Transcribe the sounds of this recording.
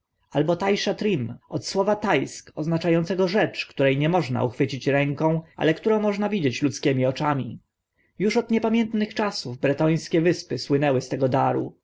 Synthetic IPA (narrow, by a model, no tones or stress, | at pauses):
albɔt̪ajʂat̪ɾimɔt̪swɔvat̪ajskɔznat͡ʂajɔnt̪sɛɡɔʐɛt͡ʂkt̪uɾɛjɲɛmɔʐna̰uxfɘt͡ɕit͡ɕɾɛŋkɔ̃w̃ʔa̰lɛkt̪uɾɔ̃w̃mɔʐnavʲid͡ʑet͡ɕlut̪skʲɛmʲiɔt͡ʂamʲḭ | juʂɔd̪ɲɛpamʲjɛnt̪nɘxt͡ʂasuvbɾɛt̪ɔj̃skʲɛvɘspɘswɘnɛwɘst̪ɛɡɔd̪aɾṵ